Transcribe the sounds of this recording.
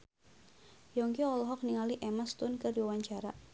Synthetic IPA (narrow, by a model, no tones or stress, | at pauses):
jɔŋkiɔlɔɦɔk̚niŋaliʔɛmast̪ʊnkɨrdiwawaɲt͡ʃaɾa